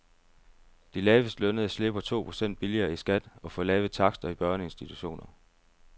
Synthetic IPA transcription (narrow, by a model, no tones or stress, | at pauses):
d̥ilɛːʋəsd̥lønəð̩ˠɐsle̝b̥ɐt͡sʰo̝̰ːpʰʁo̝̥sen̰d̥̚b̥iliɐːisɡ̥æd̥ɒ̽fɒlɛːʊð̩ˠt͡sʰɑ̈ɡ̥sd̥ɐib̥ɶɐnəe̝nsd̥it͡sʰuɕo̝̰ːnɐ